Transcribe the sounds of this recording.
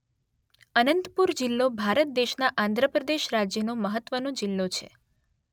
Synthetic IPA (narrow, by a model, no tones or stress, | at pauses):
ənənt̪puɾd͡ʒilːobʱaɾət̪̚d̪eʃnaʔãnd̪ʱɾəpɾəd̪eʃɾad͡ʒjənoməɦət̪ʋənõd͡ʒilːot͡ʃʰḛ